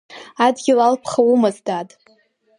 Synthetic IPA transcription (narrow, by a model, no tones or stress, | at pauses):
adɡʲɪlalpʰχawumɨzdatʼ